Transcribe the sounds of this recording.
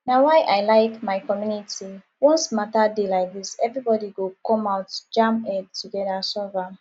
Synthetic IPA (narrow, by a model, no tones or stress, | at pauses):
nawajʔajlaɪkmaɪkɔmjunitʰi | wɔ̃nsmatadelaɪk̚ðisɛvɹibɔdiɡokɔ̃maʊtd͡ʒãmɛdtʰuɡɛdasɔvɹam